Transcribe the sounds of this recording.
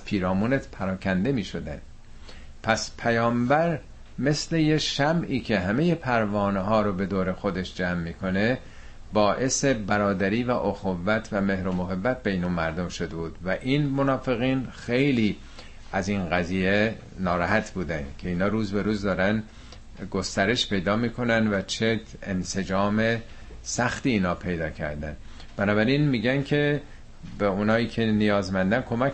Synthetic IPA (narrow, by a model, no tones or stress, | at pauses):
zpʰiːɾɒːmuːnet̪pʰæɾɒːkʰænd̪e̞miːʃo̞d̪æ̰n | pʰæspʰæjɒːmbæɾ | me̞sle̞je̞ʃæmiːcʰe̞ɦæme̞jepʰæɾvɒːneɦɒːɾobe̞d̪oːɾe̞xo̞d̪e̞ʃd͡ʒæːmːiːkʰo̞ne̞ | bɒːʔe̞se̞bæɾɒːd̪æɾiːvæʔoxovːæt̪ʰvæme̞hɾomoɦebːæt̪̚bejnomæɾd̪omʃod̪ebuːd̪væʔiːnmonɒːfe̞ɣiːnxe̞jliː | æzinɣæziːje | nɒːɾæɦæt̪ʰbuːd̪æncʰe̞iːnhɒːɾuːzbe̞ɾuːzd̪ɒːɾænd̪ | ɡo̞st̪æɾe̞ʃpe̞jd̪ɒːmiːkʰo̞nænd̪væt͡ʃʰe | ense̞d͡ʒɒːme̞ | sæxt̪iːnhɒːpʰe̞jd̪ɒːcʰæ̰ɾd̪æ̰n | b̥ænɒːbæɾinmiːɟæncʰe̞ | beuːnhɒːiːcʰe̞nijɒːzmænd̪ænkʰo̞mæ